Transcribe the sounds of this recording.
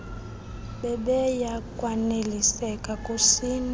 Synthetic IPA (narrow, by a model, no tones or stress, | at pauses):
ɓɛɓɛjakʼwanelisɛkʼakʼusin